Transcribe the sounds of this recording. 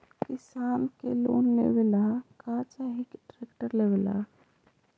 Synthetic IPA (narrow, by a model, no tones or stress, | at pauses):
kɪsaːnkḛlo̰ːnlḛʋelakaːt͡ʃaɦikʈɾekʈəɾlewela̰